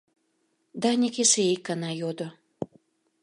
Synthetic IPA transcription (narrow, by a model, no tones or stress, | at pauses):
d̪ɑnʲekeʃeikːɑnɑjod̪o